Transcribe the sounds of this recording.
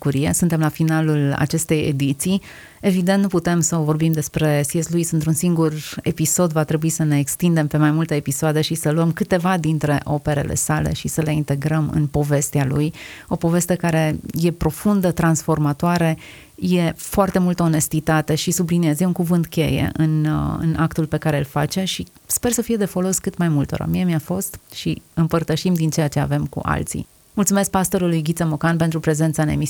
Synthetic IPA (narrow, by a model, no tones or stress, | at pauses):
uɾijesunt̪e̞mlafinalula̰t͡ʃe̞st̪e̞jḛd̪it̪si | e̞vid̪ent̪nuput̪e̞msəovo̞rbimd̪e̞spɾe̞siesluisɨnt̪ɾunsiŋɡure̞piso̞d̪vat̪ɾe̞buisəne̞ːkst̪ind̪e̞mpe̞majmult̪eepisoad̪e̞ʃisəluəmkɨt̪e̞vad̪int̪ɾe̞ʔo̞pe̞ɾe̞̰lʔe̞̰sale̞̰ʃisəleint̪e̞ɡɾəmɨ̰npo̞ve̞st̪ealṵjo̞po̞ve̞st̪e̞kaɾe̞je̞pɾo̞fund̪ət̪ɾansfo̞rmat̪oaɾe | je̞foart̪e̞mult̪əone̞st̪it̪at̪e̞ʃisubliniezjeunkuvɨnt̪kʲe̞̰jḛʔɨnɨ̰nakt̪ulpe̞kaɾe̞ɨlfat͡ʃe̞ʃi | spe̞rsəfije̞d̪e̞fo̞lo̞skɨt̪majmult̪o̰ɾə̰miemiafo̞st̪ʃiɨmpərt̪əʃimd̪int͡ʃejat͡ʃe̞a̰ve̞mkṵʔa̰lt̪sḭ | mult̪sume̞sk̚past̪o̞ɾulujɡʲit̪semokanpe̞nt̪ɾupɾe̞ze̞nt̪saɨne̞̰mis